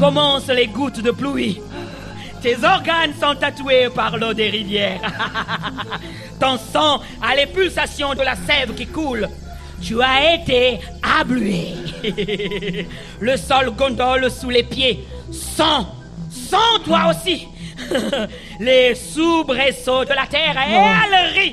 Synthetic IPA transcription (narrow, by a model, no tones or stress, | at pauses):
kɔmɑ̃sleɡut̪d̪əplui | t̪ezɔʁɡansɔ̃t̪at̪uepaʁlod̪eʁivjɛʁ | t̪ɑ̃sɑ̃ | alepylsasjɔ̃d̪əlasɛvkʲikul | t̪yaet̪e | ablye | ləsɔlɡɔ̃d̪ɔlsulepjesɑ̃ | sɑ̃t̪waosi | lesubʁesod̪əlat̪ɛʁealʁi